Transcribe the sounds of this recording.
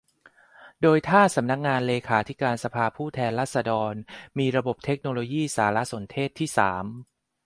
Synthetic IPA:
doː˧jt̪ʰaː˥˩sa˩˦mna˦˥k̚ŋaː˧nleː˧kʰaː˩˦t̪ʰi˦˥kaː˧nsa˧pʰaː˧pʰuː˥˩t̪ʰɛː˧nɾaː˥˩t̪̚sa˧dɔː˧nmiː˧ɾa˧bo˨˩p̚t̪ʰe˦˥k̚noː˧loː˧jiː˥˩saː˩˦la˦˥so˩˦nt̪ʰeː˥˩t̪ʰːiː˥˩sa̰ː˩˦m

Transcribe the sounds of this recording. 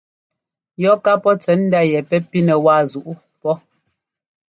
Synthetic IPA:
jɔ˨˦ka˦pɔ˦t͡sɛ˨˦n̩˦da˦jɛ˨pɛ˦pi˦nɛ˨wa˦˨zu˨ʔu˦ | pɔ˦

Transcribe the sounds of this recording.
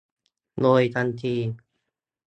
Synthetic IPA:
loː˧˩jt̪ʰa˧nt̪ʰiː˧˩

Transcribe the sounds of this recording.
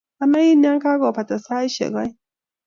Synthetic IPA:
a˨na˦ji˦n˦a˦ŋka˦ɡo˨pa˨ta˨sa˦i˦ʃɛ̰˨ɡa˦j

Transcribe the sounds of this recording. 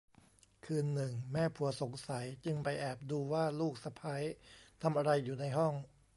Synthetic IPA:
kʰɯː˧nːɯ˨˩ŋmɛː˥˩pʰu˨˩˦ɐso˩˦ŋsa˩˦jt͡ɕɯ˧ŋpa˧jʔɛː˨˩p̚duː˧waː˥˩luː˥˩k̚sa˧pʰa˦˥jt̪ʰa˧mʔa˧ɾa˧jːuː˨˩na˧jɦɔ˥˩ŋ

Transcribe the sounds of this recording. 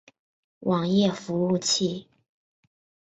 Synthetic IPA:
wʔɑ˨˩ŋjɛ˥˩fu˧˥u˥˧t͡ɕʰi˥˩

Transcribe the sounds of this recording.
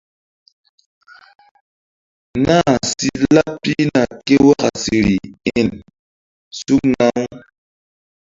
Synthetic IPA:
na˦si˦la˦pi˦na˨ke˦wa˦ka˨si˨ɾi˨e˦˨n | su˦kna˦ŋ˦

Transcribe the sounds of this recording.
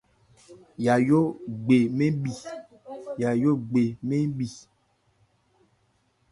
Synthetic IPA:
ja˨jo˦ɡ͡be˨me˦ɓi˨ | ja˨jo˦ɡ͡be˨me˦ɓi˨

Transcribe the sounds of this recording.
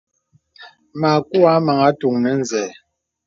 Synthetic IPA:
ma˨ku˦a˦ma˨ŋa˦tu˨ŋnɛ˨˦n̩˨zɛː˨

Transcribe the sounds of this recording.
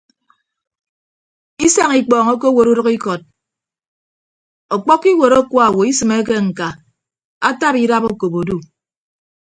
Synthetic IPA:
i˦sa˦ŋi˨k͡pɔː˨ŋo˦ko˦wo˨ɾu˦ɾʌ˦ki˦kɔ˨t̚ | ɔ˨k͡pɔ˦kːi˦wo˨ɾo˦kwɔ˦a˨wo˨i˦sɨ˨me˦k̬e˦ŋ̩˨ka˨ | a˦ta˦pi˦ɾa˦po˦ko˨bo˨du˦

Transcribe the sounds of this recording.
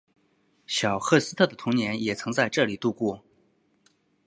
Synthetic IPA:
ɕjɑ˨˩ʊxɤ˥˧˩sɹ̩˥t̪ʰɤ˥˩d̪ə˩t̪ʰʊ˧˥ŋnjɛ˧˥njɛ˨˩t͡sʰɤ˧˥ŋt͡sa˥˧ɪʈ͡ʂɤ˥˩li˨˩t̪u˥˧kwɔ˥˩

